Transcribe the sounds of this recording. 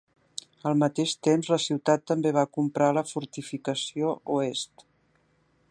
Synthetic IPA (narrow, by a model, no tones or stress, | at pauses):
əlˠmət̪eʃt̪emzləsiwt̪at̪ːəmbeβ̞akumpɾaləfuɾt̪ifikəsiouest̪